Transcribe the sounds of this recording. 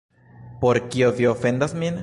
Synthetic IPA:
po̞ɾkioviofe̞nd̪asmin

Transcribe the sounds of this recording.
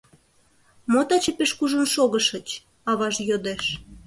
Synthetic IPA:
mot̪ɑt͡ɕəpeʃkuʒənʃoɣəʃət͡ɕ | ɑβɑʒjod̪eʃ

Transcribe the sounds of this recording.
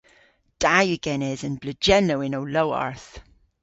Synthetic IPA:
d̥ajəɡ̥ɛnɛzə̃nbləd͡ʒɛnoʊɪ̃noʊloʊa̰ɹθ

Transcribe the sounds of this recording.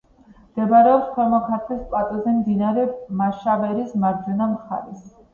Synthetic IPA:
md̪̥ɛbaɾɛɔpstʰwɛlmɔkʰaɾt̪ʰɛspʼat̪ʼɔzɛmd̪inaɾɛmaʃavɛɾismaɾd͡ʒɛnamχa̰ɾɛs

